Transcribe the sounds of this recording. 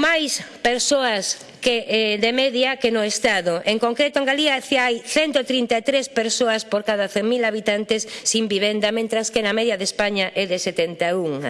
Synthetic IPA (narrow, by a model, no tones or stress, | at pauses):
majspeɾsoɐs | keɛd̪emɛðjɐkenoest̪aðoʔeŋkoŋkɾet̪oeŋɡaliaθajθɛnt̪ot̪ɾint̪at̪ɾespeɾsoɐspoɾkaðɐθeŋmilaβit̪ant̪esːimbiβɛnd̪ɐmẽnt̪ɾaskenɐmɛðjɐðespaɲaʔɛðeset̪ɛnt̪auŋ